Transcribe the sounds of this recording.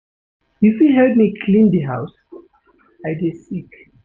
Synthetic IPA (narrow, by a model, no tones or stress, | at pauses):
ifiɦɛd̚mikʰlĩndiɦaws | aɪdesik